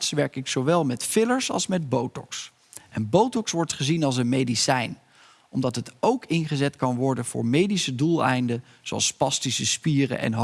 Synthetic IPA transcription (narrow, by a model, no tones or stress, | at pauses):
tsʋɛɹkɪksowʋɛlˠmɛtfɪləɹsɑ̰lˠsmɛd̚bowtɔ̰ks | ʔɛnbowtɔksʋɔɹtχəzinɑlˠs̬ənmejdisɛjn | ʔɔmdɑtɦətowkɪnχəzɛtkɑnʋɔɹdənv̥ʊ̰ːɹmejdisədulˠɛ̰jndə | zoɑ̰lˠspɑstisəspiːrə̰ʔɛ̰nɦ